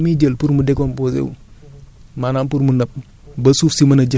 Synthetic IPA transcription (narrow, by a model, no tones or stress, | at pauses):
mid͡ʒəlpuɾmudɛkɔmposḛwṵ | manaːnpuɾmunɐp̚ | bɐsuːfsimɐnɐd͡ʒɐ